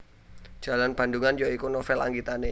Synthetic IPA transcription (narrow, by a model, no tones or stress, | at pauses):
d͡ʒ̥a̤lanb̥anduŋand͡ʒoikunɔfɛla̰ŋɡit̪ane